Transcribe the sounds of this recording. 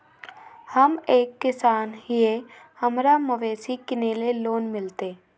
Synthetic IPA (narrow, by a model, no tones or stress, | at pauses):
həmeːkːɪsaːnɦɪe | hɐmɾamɐʋeːsikɪneleloːnmɪlt̪eː